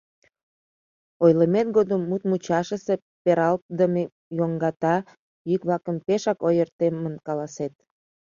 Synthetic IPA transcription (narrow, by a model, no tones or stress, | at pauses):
ojləmet̪̚ɡod̪əmːut̪̚mut͡ɕɑʃəse | peɾɑlt̪̚d̪əme | joŋɡɑt̪ɑ | jykβlɑkəmpeʃɑkojərt̪emənkɑlɑset̪̚